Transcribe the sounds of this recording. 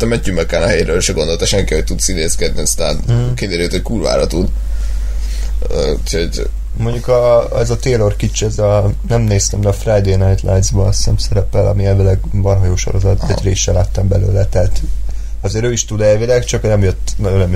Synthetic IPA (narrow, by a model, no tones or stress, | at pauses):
t̪ɛmɛːymɛkːanaɦɛːɾøːlʃɛɡo̞nd̪o̞lt̪ɒʃɛŋkihoc̚t̪ut̪sint̪eːskɛd̪̚niɒst̪a̰ːnkid̪eːɾet̪ho̞ckuːlva̰ːɾɒt̪ud̪ | øuchoɟ | mo̞ɲɟukɒɛzɒt̪eːlo̞rkit͡ʃɛzɒnɛmneːst̪ɛmd̪ɛːfrajd̪eːnajt̪lʔajnzbɒɒst̪ɛmsɛɾɛpɛlʔɒ̰miɛlvilɛɡbɒnɦɒjoːʃo̰ɾozɒt̪ɛɟɾeːʃːɛlaːt̪ːɒmbɛlø̰ːlɛt̪ɛɦat̪ | ɒzeːɾøːiʃt̪ud̪ɛlvilɛkt͡ʃɒknɛmjøt̪ːnɒonɛm